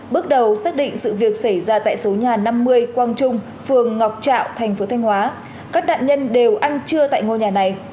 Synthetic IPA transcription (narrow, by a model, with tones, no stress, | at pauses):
ɓɨ˦˥k̚ɗə˨˩wsaː˦˥k̚ɗḭ̈˧˨ŋ̟sɨ̰˧˨vi˨˩ək̚sa˧˩jzaː˧t̪a̰ː˧˨jso˨˦ɲaː˨˩na˧mːɨ˧əjkwaː˧nt͡ɕʊ˧ŋ͡m | fɨ˨˩əŋːa˨˩wk͡p̚t͡ɕa̰ː˧˨wt̪ʰa˨˩jŋ̟fo˨˦t̪ʰa˧jŋ̟hwaː˨˦ | kaː˦˥k̚ɗa̰ː˧˨nɲə˧nɗe˨˩wʔa˧nt͡ɕɨ˧ət̪a̰ː˧˨jŋo˧ɲaː˨˩na˨˩j